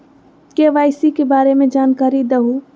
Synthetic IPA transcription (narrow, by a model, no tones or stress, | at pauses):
keʋaːɪsikebaːɾemẽd͡ʒaːnkaːɾid̪əɦu